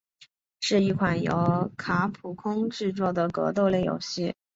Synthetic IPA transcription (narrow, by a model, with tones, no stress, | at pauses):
ʂɻ̩˥˧i˥˩kʰwa˨˩njo̰˧˥ʊkʰa˧˥pʰu˨˩kʰʊ˥ŋʈ͡ʂɻ̩˥˧t͡swɔ˥˩d̪ə˩kɤ̰˧˥t̪o˥˧ʊle˥˩ɪjo̰˨˩ʊɕi˥˩